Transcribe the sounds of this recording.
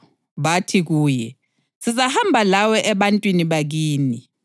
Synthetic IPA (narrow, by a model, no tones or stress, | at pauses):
βatʰiɣuːjɛ | sizahambʱalawɛʔɛβantʼwiniβaɣ̬iːni